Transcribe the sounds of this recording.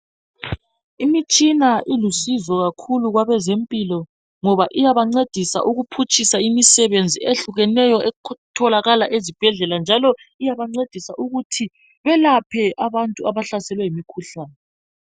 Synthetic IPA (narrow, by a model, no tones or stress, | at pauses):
imit͡ʃʼinaʔilusizɔɣakʰuluɣwaβɛzempʼilɔ | ŋɔβaʔijaβaŋ͡ǀed̥ʱisa̰ʔuɣupʰut͡ʃʼisaimisɛβend͡zʱieɬuɣɛnɛjɔɛtʰɔlaɣalaʔezib̥ʱɛɮɛland͡ʒʱalɔ | ijaβaŋ͡ǀed̥ʱisaʔuɣutʰi | βɛlapʰɛʔaβantʼuaβaɬasɛlwɛimikʰuɬaːnɛ